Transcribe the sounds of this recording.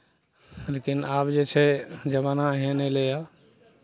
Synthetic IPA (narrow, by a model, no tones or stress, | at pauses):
lekinabd͡ʒet͡ʃʰɛd͡ʒəbanaɦẽnɛleja